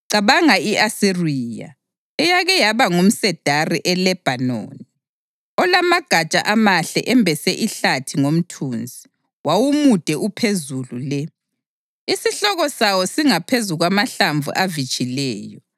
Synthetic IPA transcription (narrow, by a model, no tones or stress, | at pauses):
ǀaβaŋaiasiriːja̰ | ɛjaɣɛjaβaŋum̩sɛd̥ʱariʔɛlɛb̥ʱano̰ːni | ɔlamaɡ̥ʱat͡ʃʼa̰ʔamaɬɛ̰ʔɛmbʱɛsɛʔiɬatʰiŋom̩tʰuːnd͡zʱi | wawumud̥ʱɛʔupʰezululɛ | isiɬɔɣɔsawɔsiŋapʰezuɣwamaɬaɱvṵʔavit͡ʃʼilɛːjɔ